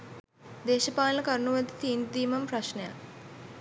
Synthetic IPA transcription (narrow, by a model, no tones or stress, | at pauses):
d̪eːʃɐpaːlnɐkɐɾnuʋɐd̪it̪iːnd̪iːmɐmpɾɐʃneja̰